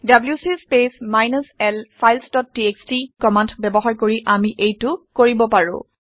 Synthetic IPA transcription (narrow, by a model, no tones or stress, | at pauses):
dabljusispesmajnasɛlpʰajlsdɔt̚ːiekstikɔmantbɛbɔxaɹkoɹiʔamiʔejtʊkoɹibɔpaɹʊ̰̃